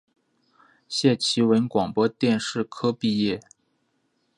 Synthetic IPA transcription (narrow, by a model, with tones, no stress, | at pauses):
ɕjɛ˥˩t͡ɕʰi˧˥wə˧˥nkwɑ˨˩ŋpwɔ˥t̪jɛ˥˧nʂɻ̩˥˩kʰɤ˥pi˥˧jɛ˥˩